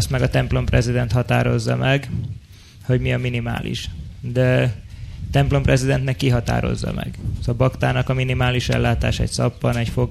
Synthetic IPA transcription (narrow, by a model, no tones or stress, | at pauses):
st̪mɛɡɒt̪ɛmplo̞mprɛzid̪ɛnt̪hɒt̪a̰ːɾo̞zːɒmɛɡ | ho̞ɟmiɒminima̰ːlḭʃd̪ɛ | t̪ɛmplo̞mprʔɛzid̪ɛnt̪nɛkːiɦɒt̪a̰ːɾo̞̰zːɒ̰mɛ̰ɡsɒbɒkt̪aːnɒkɒminimaːliʃɛ̰lːaːt̪aːʃɛ̰csɒpːɒnɛcfoɡ